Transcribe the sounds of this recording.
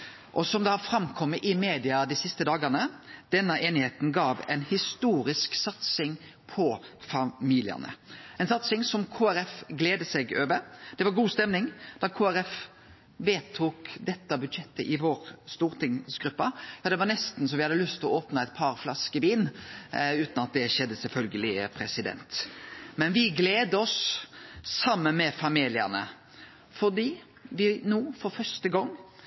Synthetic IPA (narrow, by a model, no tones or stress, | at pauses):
ʔɔsɔmd̪ɛhɑɾfɾɑmkʰɔmːəʔɪmeːd̪ɪɑd̪ɪsɪst̪əd̪ɑːɡənəd̪̥ɛnːəʔeːnɪheːt̪n̩ɡɑːʋɛɪnhɪst̪uːɾɪsksɑt̪sɪŋ | pʰɔfɑmiːlɪ̰ə̰nə̰ɛɪnsɑt̪sɪŋsɔmkʰoːæɾɛfɡleːd̪əsɛɡøːʋəɾd̪̥ɛʋɑɾɡuːst̪ɛmnɪŋd̪̥ɑkʰoːæɾɛf | ʋeːt̪ʰuːkd̪ɛt̪ːɑbʉd̪ʃɛt̪ːəʔɪʋoːɾst̪uːɾt̪ʰɪŋsɡɾʉpːəjɑːd̪ɛʋɑɾnɛst̪n̩sɔmʋɪhɑd̪ːəlʏst̪ɔoːpnəɛt̪̚pʰɑɾflɑskəʋiːn | ʉːt̪nɑt̪̚d̪ɛʃɛd̪ːəsɛlfœlɡəlɪpʰɾɛsɪd̪ɛ̰nt̪mɛnʋɪɡleːd̪əɔs | sɑmːənmɛfɑmiːlɪə̰ʁnə̰ | fɔdiː | ʋɪnuːfɔɾfœʂtəɡɔŋː